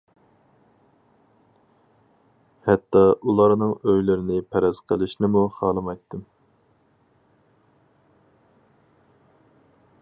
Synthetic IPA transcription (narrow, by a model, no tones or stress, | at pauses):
hɛt̪ːɑʔulˠɑɾnɨŋøjlɪɾɪnɪpʰɛɾɛz̥qʰəlˠɪʃnɪmuχɑːlˠɨmɑjt̪ʰːɨm